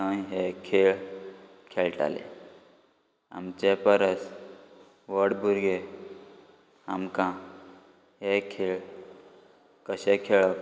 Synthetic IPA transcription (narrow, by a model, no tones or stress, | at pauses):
əjɦekʰeɭ | kʰeɭʈa̰lḛ | a̰mt͡ɕepəɾəs | ʋəɽbʱuɾɡe | amkã | ɦekʰeɭ | kəɕekʰeɭək